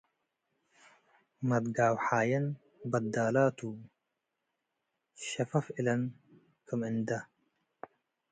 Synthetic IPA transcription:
mɐd̪ɡaːwħaːjɐn | bɐd̪aːlaːt̪u | ʃɐfɐfilɐn | kʰəmɪnd̪ɐ

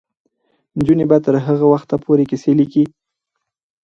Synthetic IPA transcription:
nd͡ʒunebat̪əɾɦəɣawaxt̪apʰoɾekiseliki

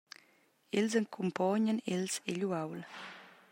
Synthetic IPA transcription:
elzəŋkʰumpɔɲənelseʎuawl

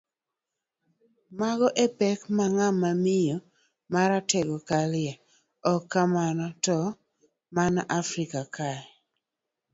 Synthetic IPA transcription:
maɡɔʔepɛkmaŋamamɪjo | maɾatɛɡɔkalɪja | ɔkːamanɔtɔ | manafɾikakaɛ

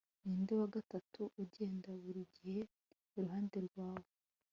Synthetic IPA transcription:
niːndewaɡatatʰuʔuɟe̞ːndaβuɾiɟihe̞ː | ɾuɦaːnde̞ɾɡwaːwo

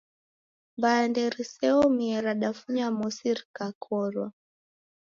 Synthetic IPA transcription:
mbaandɛɾisɛɔmiɛɾaɗafuɲamɔsiɾkakʰɔɾwa

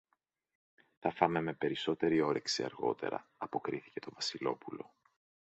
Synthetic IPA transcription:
θɐfɐmeme̞pe̞ɾiso̞t̪e̞ɾio̞ɾe̞ksiɐ̰ɾɣo̞̰t̪e̞̰ɾɐ̰ɐpo̞kɾiθi̥ce̞t̪o̞vɐsilo̞pulo̞̰

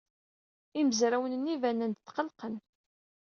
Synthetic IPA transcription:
iməzɾæwənənːivænænd̪t̪ːqəlqən

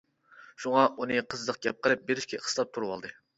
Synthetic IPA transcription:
ʃuŋɑʔunɨqʰəzd̪əq̚ɡʲɛp̚qʰəlˠɨp̚beɾɪʃkʲɛə̥st̪ɑp̚t̪ʰuɾwɑ̰lˠd̪ɨ

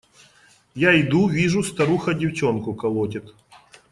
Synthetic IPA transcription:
jaɪd̪uvʲiʐʊst̪ɐɾuxɐdʲɪwt͡ɕonkʊkɐlˠotʲɪt̪

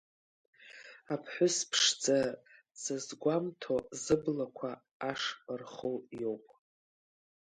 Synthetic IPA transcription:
apʰħʷʊspʰʂd͡za | sazɡʷamtʰozɨblakʷʰaː | ʂrχowjo̞wpʼ

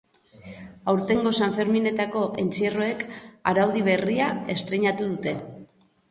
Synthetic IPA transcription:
awɾt̪e̞ŋɡo̞saɱfe̞ɾmine̞t̪ako̞ʔe̞nt͡siro̞e̞kaɾawðiβ̞e̞riae̞st̪ɾeɲat̪uðut̪e̞

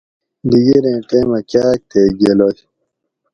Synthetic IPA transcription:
d̪iɡeɾẽːʈẽːmɐkaːk̚t̪eɡeloj

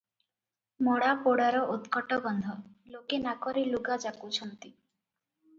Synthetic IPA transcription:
moɽapoɽaɾɔʔut̪kɔʈɔbɔnd̪ʱɔlokenakɔɾiluɡad͡ʒakut͡ʃʰɔnt̪i

